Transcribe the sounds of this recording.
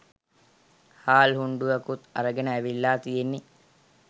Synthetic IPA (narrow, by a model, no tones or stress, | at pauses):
haːlhuɳɖuʋɐkut̪ɐ̰ɾəɡenəæʋilːaːt̪ijenːi